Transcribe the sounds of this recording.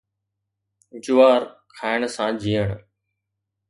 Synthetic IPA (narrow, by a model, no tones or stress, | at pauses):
d͡ʒʊʋaːɾkʰaːɪɽ̃sãːd͡ʑʱiːəɽ̃